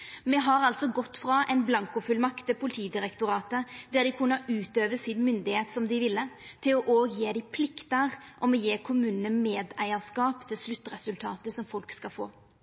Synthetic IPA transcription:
mɛɦɑɾɑlt̪sɔɡɔt̪ːfɾɑʔɛɪnblɑŋkʊfʉlmɑkt̪ːɪpʰʊlɪt̪ʰiːd̪ɪɾɛkt̪ʊɾɑːt̪əd̪ɛʁd̪ɪkʰʉnːəʉːt̪øːʋəsɪnmʏnd̪ɪheːt̪sɔmd̪ɪʋɪlːət̪ʰɪlɔʔoːɡjeːd̪ɪpʰlɪkt̪əʁʔɔmɛjeːkʰʊmʉːnənəmeːd̪æɪəʁskɑːpt̪ʰɪlslʉt̪ːʁɛsʉlt̪ʰɑ̰ːt̪əsɔmfɔlkskɑfo̰ː

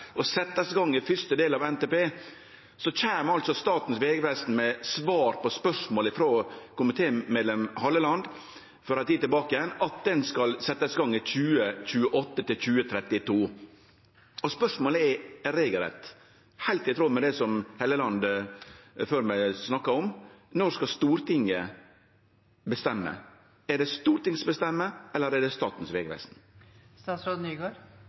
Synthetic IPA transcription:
ɔsɛt̪ːəsɡɑŋːɪfʏst̪əd̪eːlɑʋɛnt̪eːpeː | sɔc͡çæːmɑlt̪sɔst̪ɑːt̪n̩sʋeːɡəpɛst̪n̩mɛsʋɑːɾpɔspœʂmoːlɪfɾoːkʊmɪt̪ʰeːmeːd̪ɛmhɑlːəlɑnd̪ | fɔɾɑt̪ʰiːt̪ɪlbɑːkɪjɛnɑt̪̚d̪ɛnskɑlsɛt̪ːəsɡɑŋːɪçʉːəçʉːəʔɔt̪ːət̪ɪlçʉːət̪ʰɾɛt̪ːɪt̪ʰuː | ɔspœʂmoːləɛɾɾeːɡəlɾɛ̰t̪ | hæɪlt̪ɪt̪ʰɾoːmɛd̪ɛsɔmhɛːləlɑnd̪ | føːɾmæɪsnɑkːɑɾɔmnɔskɑst̪uːɾt̪ɪŋːə | bəst̪ɛmːə̰ | ɛɖɛst̪uːɾt̪ɪŋsbəst̪ɛmːəɛlːəɾɛɖɛst̪ɑːt̪n̩sʋeːɡɾɛ̰sn̩ | st̪ɑːt̪sɾoːd̪nyːɡoɾ

